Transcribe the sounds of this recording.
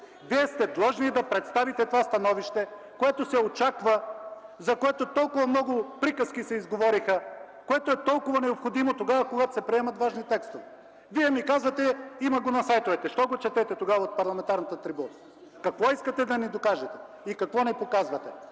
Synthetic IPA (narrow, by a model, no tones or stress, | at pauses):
viɛst̪ɛd̪lˠɔʒnid̪ɐpɾɛt̪st̪avit̪ɛt̪ovast̪ɐnɔviʃt̪ɛ | koɛt̪osɛot͡ʃakvɐzɐkoɛt̪ot̪ɔlˠkʊvɐmnɔɡʊpɾikəskisɛizɡovɔɾixə | koɛt̪oɛt̪ɔlˠkʊvɐnɛopxod̪imot̪oɡavɐkoɡat̪o̥sɛpɾiɛmɐt̪vaʒnit̪ɛkst̪ovɛ | viɛmikazvɐt̪ɛimɐɡonɐsajt̪ovɛt̪ɛʃt̪ɔɡot͡ʃɛt̪ɛt̪ɛt̪oɡavɐot̪̚pɐɾlˠɐmɛnt̪aɾnɐt̪ət̪ɾibunɐ | kɐkvɔiskɐt̪ɛd̪ɐnid̪okaʒɛt̪ɛ | ikɐkvɔnɛpokazvɐt̪ɛ